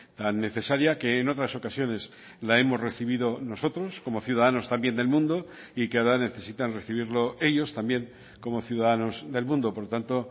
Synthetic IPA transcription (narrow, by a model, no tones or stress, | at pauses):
t̪anːe̞θe̞saɾjake̞ːno̞t̪ɾaso̞kasjo̞ne̞s | lae̞mo̞zre̞θiβ̞iðo̞no̞so̞t̪ɾo̞sko̞mo̞θjuðaðano̞st̪ambje̞nd̪e̞lmũnd̪o̞ | ikeaoɾane̞θe̞sit̪anre̞θiβ̞iɾlo̞e̞ʎo̞st̪ambje̞ŋ | ko̞mo̞θjuðaðanozðe̞lmũnd̪opo̞ɾt̪ant̪o̞